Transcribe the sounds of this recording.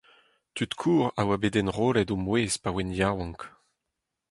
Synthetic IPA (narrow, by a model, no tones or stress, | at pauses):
t̪yt̪kʰuːʁa̰wabedɛnʁoːlɛtomweːzpawɛnjawɑ̃ŋk